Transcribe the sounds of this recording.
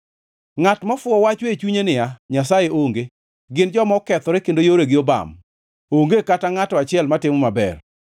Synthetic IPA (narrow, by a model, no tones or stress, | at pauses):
ŋatmafʊɔwat͡ʃwet͡ʃuɲenɪjaɲasajeʔoŋɡe | ɡɪnd͡ʒɔmɔkɛt̪ɔɾekendojoɾeɡɪoba̰m | oŋɡekataŋatɔat͡ʃɪɛlmatɪmɔmabɛ̰r